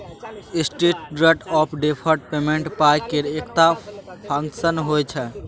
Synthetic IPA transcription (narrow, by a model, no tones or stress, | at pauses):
ɪsʈiʈ̚ɖɾeʈɔːpʰɖepʰəɾʈpemẽɳʈpajkeɾekt̪apʰə̃ŋkʃənɦojt͡ʃʰɛ